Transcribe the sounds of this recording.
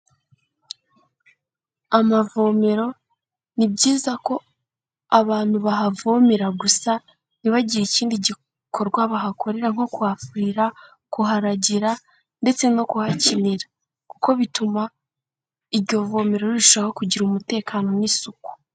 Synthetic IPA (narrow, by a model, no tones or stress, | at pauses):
amavo̞ːme̞ɾo̞ | nibɟiːzako̞ | aβaːn̥huβaɦavo̞meɾaɡusa | niβaɟiɾiciːndiɟi | kʰo̞ɾɡwaβaɦakʰo̞ɾe̞ɾaŋ̥o̞kuhafɾiɾa | kuɦaɾaɟiɾa | nde̞t͡se̞no̞kuhaciniɾa | kuko̞βituma | iβɟo̞vo̞ːme̞ɾo̞ɾiɾuʃoɾahokuɟiɾumute̞ːkaːno̞nisuku̥